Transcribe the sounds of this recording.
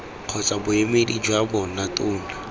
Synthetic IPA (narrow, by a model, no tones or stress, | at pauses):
q͡χʰɔt͡sʼabʊemedid͡ʒwabɔnatʼʊːna